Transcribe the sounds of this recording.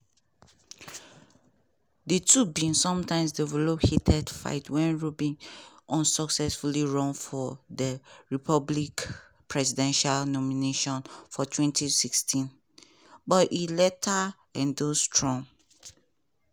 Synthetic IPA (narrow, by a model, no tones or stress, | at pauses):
dətʰubĩnsːɔ̃mtãɪ̃msdɛvɛlophitʰɛdfa̰ɪtʰwɛ̃nɹubĩnʔɔ̃nsɔksɛsfuliɹɔ̃nfɔdəɹipʰɔblik | pɹɛsidɛ̃nʃalnɔmineʃɔ̃nfɔtʰwɛ̃ntisikstʰĩn | bɔtilɛtʰa | ɛ̃ndostʰɹɔ̃ŋ